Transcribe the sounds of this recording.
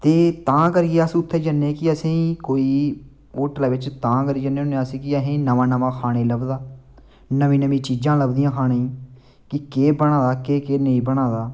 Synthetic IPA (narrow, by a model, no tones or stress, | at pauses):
t̪eːt̪ãːkəɾiaːsʊt̪ʰːeːd͡ʒənːeːkɪəsĩːkoːiː | oːʈlaːʋɪt͡ʃt̪ãːkəɾiːd͡ʒənːeːoneəsĩːkɪəɦĩːnəʋãːnəʋãːkʰaːɽ̃eːləbd̪aː | nəmĩːnəmĩːt͡ʃiːd͡ʒãːləbd̪ɪjãːkʰaːñeːĩː | kɪkeːbəɽ̃ãːd̪aːkeːkeːnəĩːbəɽ̃ãːd̪aː